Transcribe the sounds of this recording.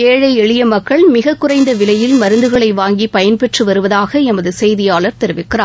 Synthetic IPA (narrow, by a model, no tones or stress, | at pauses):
eːɻɐɪɛɻɪjɐmɐkːɐɭmɪɣɐkːʊrɐɪnd̪ɐʋɪlɐjɪlmɐɾɯnd̪ɯɣɐɭɐɪʋaːŋɡipɐjɐnpɛʈrɯʋɐɾɯʋɐðaːɣɐɛmɐðɯsɛjðɪjaːɭɐɾt̪ɛɾɯʋɪkːɪraː